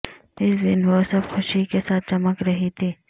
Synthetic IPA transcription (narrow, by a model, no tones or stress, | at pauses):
ɪsd̪ɪnʋosɐbxʊʃikesaːt̪̚t͡ʃɐməkɾɐɦit̪ʰiː